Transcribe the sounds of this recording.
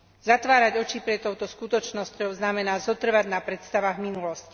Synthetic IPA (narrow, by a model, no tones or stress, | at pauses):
zat̪ʋaːɾaɟɔt͡ʃipɾɛt̪ɔʊt̪ɔskut̪ɔt͡ʃnɔscɔʊznamɛnaːzɔt̪r̩ʋaɟnapɾɛt̪st̪aʋaɣminulɔsci̥